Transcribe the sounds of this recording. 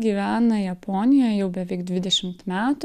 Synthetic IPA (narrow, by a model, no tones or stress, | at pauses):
ɡʲiːʋʲæːnɐjɛpɔnʲɪjoːjjɛʊbʲɛʋʲɛɪkd̪ʲʋʲɪd̪ʲɛʃʲɪmt̪mʲæːt̪ʊ